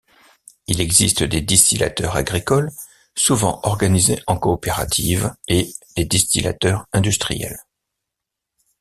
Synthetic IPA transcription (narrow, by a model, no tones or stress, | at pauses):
ilɛɡzist̪əd̪ed̪ist̪ilʔa̰t̪œʁa̰ɡʁikɔl | suvɑ̃ʔɔʁɡanizeʔɑ̃kɔːpeʁa̰t̪ʰived̪̥ed̪ist̪ila̰t̪œʁɛ̃d̪yst̪χḭjɛ̰l